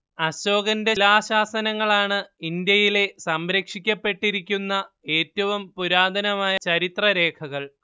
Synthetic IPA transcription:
ɐɕo̞ːɡɐnde̞laːɕaːsɐnɐŋːɐɭaːɳɨind̪jɐjile̞sɐmɾɐkʂikʲːɐpːe̞ʈːiɾikʲːunːɐ | e̞ːtːɐʋumpuɾaːd̪ʱɐnɐmaːjɐt͡ɕɐɾit̪rɐɾe̞ːkʰɐɣɐɭ

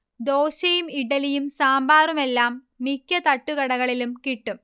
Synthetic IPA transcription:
d̪oːɕɐjumiʈɐlijumsaːmbaːrume̞lːaːmː | ikʲːɐt̪ɐʈːuɣɐɽɐɣɐɭilumkiʈːum

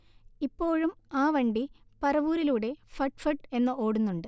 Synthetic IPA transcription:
ipːo̞ːɻumaːʋɐɳɖipɐrɐʋuːɾiluːɽe̞fɐʈfɐʈe̞nːɐʔo̞ːɽunːuɳɖɨ

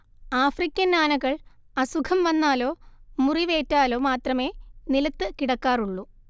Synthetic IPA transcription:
aːfrikʲːɐnnaːnɐɣɐɭ | ɐsukʰɐmʋɐnːaːlo̞ːmuriʋe̞ːtːaːlo̞ːmaːt̪rɐme̞ːnilɐt̪ːɨkiɽɐkːaːruɭːu

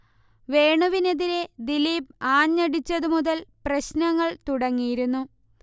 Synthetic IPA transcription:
ʋe̞ːɳuʋine̞ðiɾe̞d̪iliːb̚aːɲːɐɽit͡ɕːɐðumuðɐlprɐɕnɐŋːɐɭt̪uɽɐŋːijiɾunːu

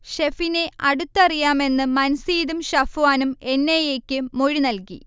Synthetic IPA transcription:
ɕefineɐɽut̪ːɐrijaːme̞nːɨmɐnsiːðumɕɐfuwaːnume̞nːejeːkʲːɨmo̞ɻinɐlki

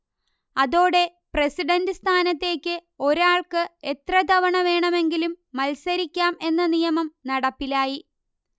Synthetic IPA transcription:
ɐðo̞ːɽe̞ | presiɖɐndɨst̪ʰaːnɐt̪ːe̞ːkʲːɨ | o̞ɾaːɭkɨe̞t̪rɐd̪ʱɐʋɐɳɐʋe̞ːɳɐme̞ŋɡilumːɐlsɐɾikʲːaːme̞nːɐnijɐmɐmnɐɽɐpːilaːji

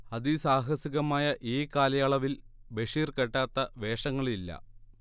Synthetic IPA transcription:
ɐðisaːɦɐsiɣɐmaːjɐʔiːkaːlɐjaːɭɐʋil | be̞ʂiːrkeʈːaːt̪ːɐʋe̞ːʂɐŋːɐɭilːɐ̰

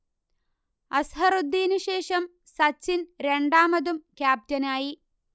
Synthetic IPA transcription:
ɐsɦɐrud̪ːiːnuɕeːʂɐm | sɐt͡ɕːinɾe̞ɳɖaːmɐðumkjaːb̚tɐnaːji

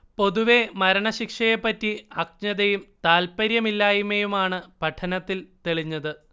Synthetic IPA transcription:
po̞ðuʋe̞mɐɾɐɳɐɕikʂɐjepːɐtːiɐk̚ɲɐðɐjumt̪aːlpɐɾjɐmilːaːjumejumaːɳɨpɐʈʰɐnɐt̪ːilt̪eɭiɲːɐðɨ

